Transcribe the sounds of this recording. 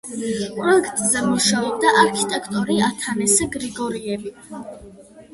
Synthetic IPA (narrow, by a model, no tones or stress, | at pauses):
pʼɾɔkʰt̪ʼzɛmuʃaɔb̚d̪aʔaɾkʰit̪ʼɛkʰt̪ʼɔɾiat̪ʰanɛsɛɡɾiɡɔɾiɛbi